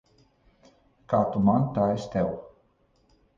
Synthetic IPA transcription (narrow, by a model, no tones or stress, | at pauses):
kat̪umant̪aest̪ɛw